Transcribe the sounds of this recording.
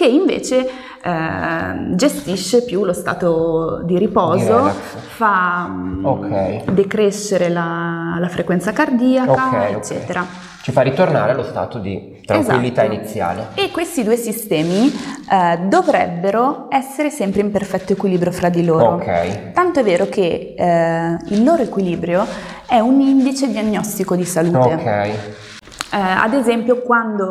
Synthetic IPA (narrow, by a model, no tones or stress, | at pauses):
keiɱvḛːt͡ʃe | d͡ʒest̪iʃːepjulost̪a̰ːt̪od̪iɾipɔːzoa | fa | okʰɛjd̪ekɾeʃːeɾelalafɾʔekwɛnt̪sakard̪iːaokaɛet͡ʃːɛ̰ːt̪eɾa | t͡ʃifarːit̪orna̰ːɾealost̪a̰ːt̪od̪ḭ | t̪ɾaeza̰ilːit̪ainit̪sːja̰ːleekːwest̪id̪uːesist̪ɛːmi | d̪ovɾɛbːeɾoɛsːeɾesɛmpɾeimperfɛt̪ːoekwiliːbɾjofɾad̪ːiloːookʰɛ̰jt̪ant̪oɛvːeːɾoke | ilːoːɾoekwiliːbɾjo | ɛunind̪it͡ʃed̪ianːɔst̪ikod̪isaluːot̪ekʰɛj | a̰d̪ezɛmpjokwand̪o